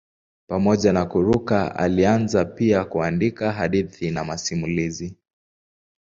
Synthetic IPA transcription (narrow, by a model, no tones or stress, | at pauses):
pamɔʄanakuɾukaa̰lianzapiakuandikaɦaɗiθinamasimulizi